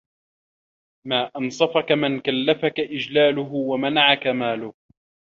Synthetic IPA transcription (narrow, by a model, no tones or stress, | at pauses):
maːʔɑnsˤɑfɑkamɪnkalːafakaʔɪd͡ʒlaːlʊɦʊwamanaʕakamaːlʊh